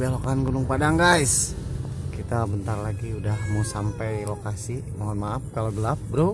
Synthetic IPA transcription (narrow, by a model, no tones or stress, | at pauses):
balokaanɡunʊŋpadaŋɡajs | kit̪abənt̪arlaɡiudahmusampɛjlokasimoɦɔnmaːp̚kaloɡəlap̚bəɾu